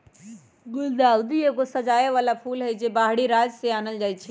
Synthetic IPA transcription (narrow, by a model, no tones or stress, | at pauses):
ɡʊld̪aːwd̪iekosɐd͡ʒaːjeʋaːlapʰuːlɦed͡ʒebaːɦɽiɾaːd͡ʒseaːnəld͡ʒaːit͡ʃʰe